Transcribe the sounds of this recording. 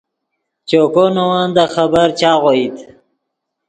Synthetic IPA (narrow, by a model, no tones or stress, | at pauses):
t͡ʃokonowand̪əxəbəɾt͡ʃaːɣoit̪